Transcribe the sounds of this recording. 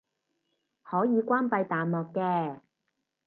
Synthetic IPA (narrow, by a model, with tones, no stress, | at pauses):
hɔː˨˥jiː˨˧kʷwaː˥npɐ˧jt̪aː˨nmɔː˨kːɛː˧